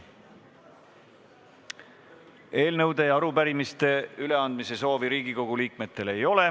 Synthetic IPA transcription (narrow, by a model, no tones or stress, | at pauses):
e̞ːlnɤwd̪e̞jɑɾupæɾimist̪e̞yle̞ɑnd̪̚mise̞so̞ːviɾiːɡiko̞ɡ̥uliːk̚me̞t̪ːˑe̞le̞jo̞le̞